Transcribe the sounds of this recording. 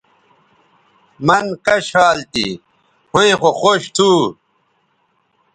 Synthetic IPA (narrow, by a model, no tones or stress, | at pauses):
mɐnkɐɕaːlt̪ḭ | hũĩxoxoɕt̪ʰuː